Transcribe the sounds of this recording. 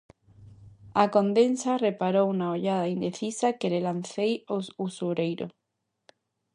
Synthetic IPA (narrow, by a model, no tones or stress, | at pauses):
akond̪ensarepaɾowunaoʎaðaind̪eθisakelelanθejosusuɾejɾo̰